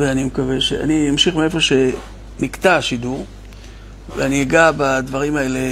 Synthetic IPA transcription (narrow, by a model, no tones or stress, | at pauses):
veanimekave̞ʃḛa̰nijamʃiχmeefo̞ʃe̞ | mikt̪aʃid̪uʁ | veaniɡabad̪vaʁimae̞le